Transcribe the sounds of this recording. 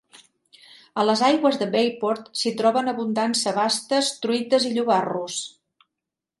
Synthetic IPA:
ələzajɣwəzðəbejpɔɾt̪sit̪ɾɔβənəβund̪ansəβast̪əst̪ɾuit̪əziʎuβarus

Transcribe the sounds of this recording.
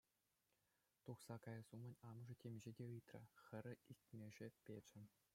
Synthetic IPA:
t̪uχsɑkɑjɑ̆zumɤ̆nʲɑmɤ̆ʐɤ̆tʲemʲʑedʲeɯjt̪rʲɘ̰̆xʲɘ̆ɾʲɘ̆ilʲt̪ʲmʲeʐepʲed͡ʑɘ̆

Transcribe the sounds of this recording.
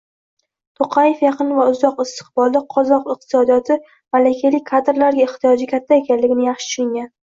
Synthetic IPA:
t̪ʰoqʰɑjefjɑqʰɨnvaʊzɒqɪst̪ɨ̥χbɒlˠd̪aqʰɒzɒqɨq̚t̪ʰɪ̥sɒd̪ijɒt̪ʰɪ | malakʲʰajlɪkʰːad̪ɾlaɾɡʲaeχt̪ʰijɒd͡ʒɪkʲʰat̪ʰːaekʲanlɪɡʲɪnɪjɑχʃɪ̥t͡ʃʰʊɪŋɡʲan

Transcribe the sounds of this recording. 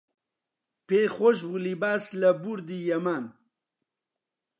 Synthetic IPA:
peχoʃ̬bulibaːslɐbuɾd̪ijɐmaːn

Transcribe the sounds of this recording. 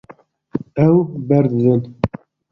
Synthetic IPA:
ɛwbɛɾd̪ɨd̪ɨn

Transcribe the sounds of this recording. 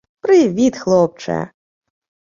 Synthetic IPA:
pɾɪvʲit̪xlˠɔp̚t͡ʂɐ̰jɐ̰

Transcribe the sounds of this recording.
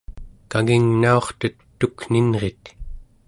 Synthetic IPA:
kaŋiŋnao̞χt̪ət̪ːukninʁet̪

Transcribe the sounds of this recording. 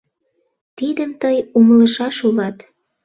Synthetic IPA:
t̪id̪əmt̪əjumələʃɑʃulɑt̪

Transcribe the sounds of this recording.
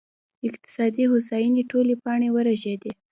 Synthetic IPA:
ɪqt̪ɪ̥sɑd̪ihosajineʈolepɑɳewəɾaʒed̪e

